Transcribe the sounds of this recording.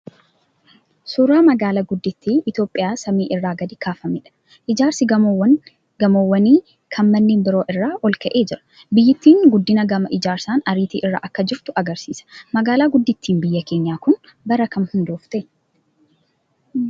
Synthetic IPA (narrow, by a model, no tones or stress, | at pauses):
suːɾaːmɐɡaːlɐɡʊd̪ːɪt̪ːiːʔɪt̪jo̞ːpʼːɪjaːsɐmiːʔɪrːaːɡɐd̪ɪkaːfɐmɪᶑɐ̥ | ʔɪd͡ʒaːɾsɪɡɐ | ɡɐmoːwːɐniː | kʰɐnmɐnːeːmbɪɾo̞ːʔɪrːaːʔɔlkɐʔe̞ːd͡ʒɪɾɐ̥ | bɪjːɪt̪ːiːŋɡʊd̪ːɪnɐɡɐmɐʔɪd͡ʒaːɾsaːnɐɾiːt̪ḭːʔɪrːa̰ːʔɐkːɐd͡ʒɪɾt̪ʊɐɡɐɾsḭːsɐ̥mɐɡaːlaːɡʊd̪ːɪt̪ʰːiːnbɪjːɐke̞ːɲːaːkʊn | bɐɾɐkɐmhʊnd̪oːft̪e